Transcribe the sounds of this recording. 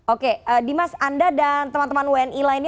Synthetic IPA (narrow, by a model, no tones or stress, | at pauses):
okeədimasandadant̪əmant̪əmanwɛnilainj